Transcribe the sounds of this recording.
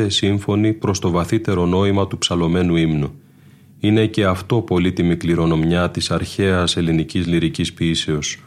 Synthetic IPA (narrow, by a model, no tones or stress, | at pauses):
esiɱfo̞nipɾo̞st̪o̞vɐθit̪e̞ɾo̞no̞imɐt̪upsɐlo̞me̞nuimnu | ine̞ce̞ɐft̪o̞po̞lit̪imikliɾo̞no̞mɲɐt̪isɐɾçe̞ɐse̞linicizliɾicispiːse̞o̞s